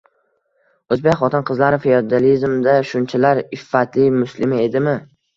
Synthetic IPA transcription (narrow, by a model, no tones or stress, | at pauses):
ɵzbekʲχɒt̪ɪnqɨzlaɾɪfejod̪alizmd̪aʃʊnt͡ʃʰalaɾɪfːat̪ʰlɪmʊslɪmɪe̞d̪ɪmɪ